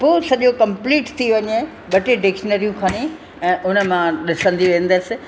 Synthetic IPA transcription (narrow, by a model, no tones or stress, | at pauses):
poːsɐʄokɐ̃mpliːʈt̪ʰiʋɐɲe | ɓɐʈeɖɪkʃənəɾijũkʰaːni | ɛ̃ːʔʊnə̆mãɗɪsə̃nd̪iʋə̃nd̪əsɪ̆